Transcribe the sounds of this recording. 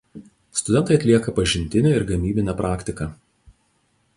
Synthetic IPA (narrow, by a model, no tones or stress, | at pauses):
st̪ʊd̪ʲɛnt̪ɐɪɐt̪ʲlʲiɛkɐpɐʒʲɪnʲt̪ʲɪnʲeɪɾɡɐmʲiːbʲɪnʲɛːpɾʔɑːkʲt̪ʲɪkɑː